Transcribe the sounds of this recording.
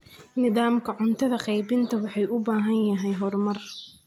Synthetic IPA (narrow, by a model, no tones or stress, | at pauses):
nɪðaːmkʰɐʕʊnt̪ʰɐðɐqɛjbɪnt̪ʰɐwɑħɑjʔʊbaːɦɐnjɐɦɛjɦɔrmɐr